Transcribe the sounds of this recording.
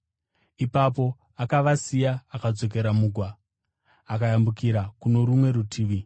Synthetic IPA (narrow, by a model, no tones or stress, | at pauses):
ipap̬o̞ | akaʋasijaːkad͡zo̞k̬e̞ɾamuːɡʱwaː | kajambukiɾakuno̞ɾumwe̞ɾutʰiːʋi